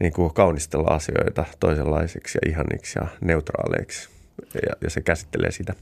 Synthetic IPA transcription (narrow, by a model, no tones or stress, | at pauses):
niːŋkukɑunist̪elːɑ̰ɑsioit̪ɑt̪oiselːɑiseksjɑʔihɑnʔḭksjɑneut̪rɑ̰ːlḛiks | jɑjɑsekæsi̥t̪ːelʔḛːsit̪æ